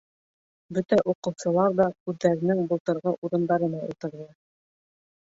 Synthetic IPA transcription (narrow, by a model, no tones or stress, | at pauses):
bɵt̪æʔuqɤ̆wsɤ̆lˠɑɾðɑkʉðːæɾɘ̆nɘŋbŏlˠt̪ɤ̆ɾʁɤʔuɾɤ̆nd̪ɑɾɤ̆nɑṵlˠt̪ɤ̆ɾðɤ